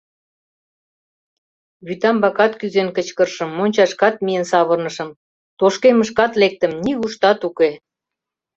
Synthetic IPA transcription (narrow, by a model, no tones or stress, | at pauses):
βyt̪ɑmbɑkɑt̪kyzenkət͡ɕkə̆rʃə̆mːonʲt͡ɕɑʃkɑt̪̚mijənsɑβə̆rnəʃə̆m | t̪oʃkeməʃkɑt̪lek̚t̪ə̆mniɣuʃt̪ɑt̪uke